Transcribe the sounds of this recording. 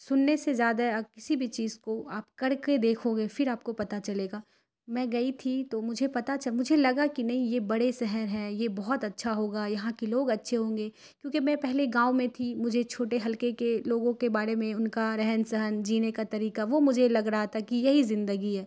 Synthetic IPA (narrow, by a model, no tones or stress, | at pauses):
sʊnːesezjaːd̪aɦɛɐkɪsibʱit͡ʃiːzkoaːpkɐɾked̪eːkʰoɡefɪɾaːp̚kopɐt̪at͡ʃɐleːɡaː | mɛ̃ːɡɐit̪ʰit̪omʊd͡ʒʱepɐt̪at͡ʃɐmʊd͡ʒʱelɐɡakinɐɦĩjebɐɽesɛɦɛnɦɛ̃ːjebɔɦɔt̪ɐtːʃʰaɦoːɡaːjɐɦãkiloːɡɐtːʃʰeɦõːŋ̆ɡeː | kjõːkimɛ̃pɛɦleɡãːʊmẽt̪ʰimʊd͡ʒʱet͡ʃʰoːʈeɦɐlkekeloːɡõkebaːɾemẽʊnkaɾɛɦnsɐɦənd͡ʒiːnekat̪ɐɾiːkaʋomʊd͡ʒʱelɐɡɾaɦat̪ʰakijɐɦizɪ̃nd̪əɡiɦɛː